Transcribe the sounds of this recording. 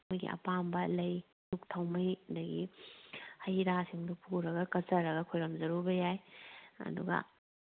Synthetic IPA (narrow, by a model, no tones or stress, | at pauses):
jɡḭʔɐ̰pambɐlɐj | luk̚tʰɐwmɐjdɐɡi | hɐjɾasiŋdupʰuɾɐɡɐkɐt͡ʃɐɾɐɡɐkʰojɾɐmzɐɾubɐjajɐ̰duɡɐ̰